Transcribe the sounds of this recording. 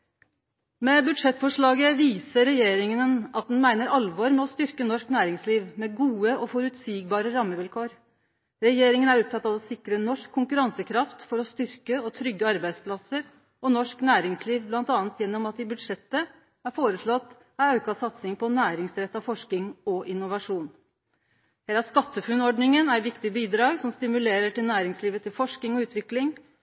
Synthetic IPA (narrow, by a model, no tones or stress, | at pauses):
mɛːbʉd̪ʂɛt̪ːfɔʂɭɑːɡəʋiːsəɾɛjeːɾɪŋənənʔɑt̪̚d̪ɛnmæɪnəɾɑlʋɔɾmɛɔst̪ʏɾkənɔʂknæːɾɪŋsliːʋmɛɡuːəɔfɔɾʉt̪siːɡbɑːɾəɾɑmːəʋɪlkʰoːɾ | ɾɛjeːɾɪŋənæɾɔp̚fʰɑt̪ːɑʋɔsɪkɾənɔʂkʰːʊŋkʉɾɑnsəkʰɾɑft̪fɔɾɔst̪ʏɾkəɔt̪ʰɾʏɡːəɑɾbæɪspʰlɑsəɾ | ɔnɔʂknæːɾɪŋsliːʋblɑnt̪ɑːnt̪jɛnːɔmɑt̪̚d̪ɪbʉd̪ʂɛt̪ːə | æɾfoːɾəʂɭɔt̪ː | ɑɑʉkɑsɑt̪sɪŋpʰɔnæːɾɪŋsɾɛt̪ːɑʋfɔʂkɪŋɔʔɪnːʊʋɑʂuːn | heːlɑskɑt̪ːəfʉnɔɖnɪŋənæɾʋɪkt̪ɪəbiːd̪ɾɑːɡsɔmst̪ɪmʉleːɾəʈɪlnæːɾɪŋsliːʋət̪ʰɪlfɔʂkɪŋɔʉːt̪ʋɪklɪŋ